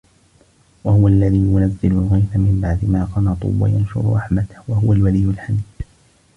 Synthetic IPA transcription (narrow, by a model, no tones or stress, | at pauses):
wahʊwaʔlːaðiːjʊnazːɪlʊlɣajfamɪmbaʕd̪ɪmaːqɑnɑt̪ˤṵːwa̰janʃʊ̰ɾʊ̰ɾˤʔɑħmat̪ḁhwahʊwalwalijːʊlħamiːd̪̥